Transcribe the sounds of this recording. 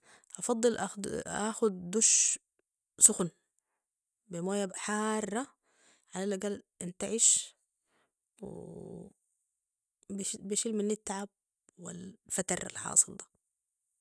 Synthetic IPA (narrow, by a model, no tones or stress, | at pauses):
ʔɑfɑd̪ˤːɨlʔaʔa̰xʊd̪ːuʃ | sʊxn | bimoːjabħaːrˤːɑ | ʕalalːaɡalʔɪnt̪aʕiʃ | wɪ̰ | biʃilmɪnːɪt̪ːʕab̚ | wɪ̰lfat̪ɑɾˤa̰lħɑ̰ːsˤɨld̪ḁ